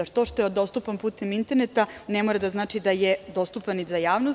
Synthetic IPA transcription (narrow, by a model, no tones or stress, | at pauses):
at̪o̞ʃt̪o̞jeod̪o̞st̪upanpuːt̪emint̪e̞ɾnet̪anemoɾad̪aznaːt͡ʃid̪ajed̪o̞st̪upanizajaːʋnos